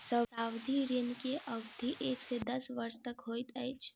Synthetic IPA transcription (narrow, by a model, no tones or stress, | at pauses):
səaːwd̪ʱiɾɪnkeʔəɡd̪ʱiʔeːksed̪ɐsʋəɾʃt̪əkɦoːjt̪ɛːt͡ʃʰ